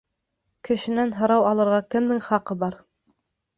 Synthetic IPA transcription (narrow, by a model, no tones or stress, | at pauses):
kɘ̆ʃɘ̆nænɦɤ̆ɾɑwɑlˠɤ̆ɾʁɑkɘ̆mnɘŋχɑqɤbɑɾ